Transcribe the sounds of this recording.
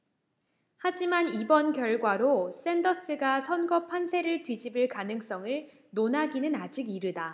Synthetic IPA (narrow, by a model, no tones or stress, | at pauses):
had͡ʑimanibʌnkjʌɭɡwaɾos͈e̞ndʌs͈ɯɡasʰʌnɡʌpʰansʰe̞ɾɯɭtwɥid͡ʑibɯɭkanɯŋs͈ʌŋɯɭ | nonaɡinɯnad͡ʑiɡiɾɯda